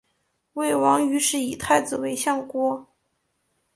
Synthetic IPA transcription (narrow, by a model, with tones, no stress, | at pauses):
we˥˩ɪwɑ˧˥ŋy˧˥ʂɻ̩˥˩i˨˩t̪ʰa˥˧ɪt͡sɹ̩˨˩we˧˥ɪɕjɑ˥˩ŋkwɔ˥